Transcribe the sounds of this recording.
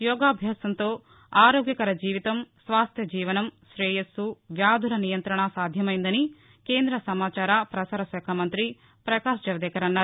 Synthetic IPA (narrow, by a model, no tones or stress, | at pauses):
jɔːɡaːɐbʱjaːsɐnt̪o̞ː | aːɾoːɡjɐkɐɾɐd͡ʒiːʋit̪ɐmsʋaːst̪ʰjɐd͡ʒiːʋɐnɐmʃɾɛːjɐsuʋjaːd̪ʱulɐnijɐnt̪ɾɐɳasaːd̪ʱjɐmɐjind̪ɐni | ke̞ːnd̪ɾɐsɐmaːt͡ʃaːɾapɾɐsaːɾɐsɛːkʰɐmɐnt̪ɾi | pɾɐkaːʃd͡ʒɐʋɐd̪ɛːkɐɾɐnːaː